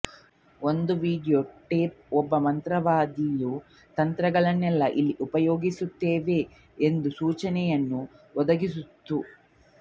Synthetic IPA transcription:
ond̪uʋiːɖijoːʈeːp̚ɔbːɐmɐnt̪ɾɐʋaːd̪iju | t̪ɐnt̪ɾɐɡɐɭɐnːɛlːɐʔilːiʔupɐjoːɡisut̪ːeːʋe̞ | end̪usuːt͡ʃɐnɛjɐnːuɔd̪ɐɡisut̪ːu

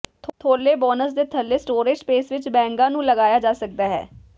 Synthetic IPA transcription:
t̪ʰot̪ʰoːlːeːbɔːnəsd̪eːt̪ʰəlːeːsʈoːɾeːd͡ʒpeːsʋɪt͡ʃbɛ̃ːŋɡãːnũːləɡaːjaːd͡ʒaːsək̚d̪aːɦɛ̰ː

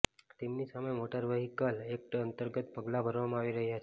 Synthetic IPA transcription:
t̪emnisaməjmoʈəɾʋəɦikalek̚ʈənt̪əɾɡət̪pəɡlabʱəɾʋamãaʋiɾəɦjat͡ʃʰe

